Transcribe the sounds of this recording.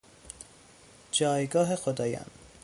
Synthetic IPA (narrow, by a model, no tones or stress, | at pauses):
d͡ʒɒːjɡɒːɦexod̪ɒːjɒ̰ːn